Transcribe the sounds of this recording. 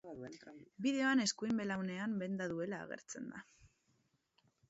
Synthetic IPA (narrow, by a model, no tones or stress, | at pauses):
biðe̞o̞ane̞skuimbe̞lawne̞ambe̞nd̪aðue̞la̰ːɣ̞e̞̰ɾt͡se̞nd̪a